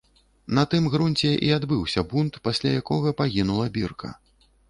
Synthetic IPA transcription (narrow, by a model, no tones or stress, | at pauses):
nɐt̪ɨmɣɾunʲt͡sʲɛʔḭad̪bɨwsʲɐbunt̪pasʲlʲajakɔɣɐpaɣʲinulˠɐbʲirkʰɐ̰